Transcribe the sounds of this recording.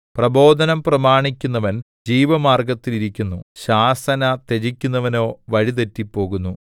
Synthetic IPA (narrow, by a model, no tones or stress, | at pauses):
prɐbo̞ːd̪ʱɐnɐmprɐmaːɳikʲːunːɐʋɐn | d͡ʑiːʋɐmaːrɡɐt̪ːiliɾikʲːunːuɕaːsɐnɐt̪e̞d͡ʑikʲːunːɐʋɐno̞ːʋɐɻit̪̬etːipːo̞ːɣunːu